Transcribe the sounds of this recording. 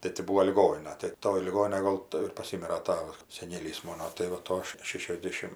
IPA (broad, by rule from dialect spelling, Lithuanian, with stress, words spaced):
tɐɪ tʲɪ ˈbuːoː lʲɪˈɡoːnʲɪnɐ tɐɪ ˈtoːj lʲɪˈɡoːnʲɪnɐj ˈɡoːlˠ tɐɪ ɪr pɐˈsʲɪmʲɪrɐ ˈtɑːʋɐ sʲɛˈnʲeːlʲiːs ˈmoːnoː tɐɪ ʋɐ ˈtoː ʃʲɛʃʲɛzʲˈdʲeːʃʲɪm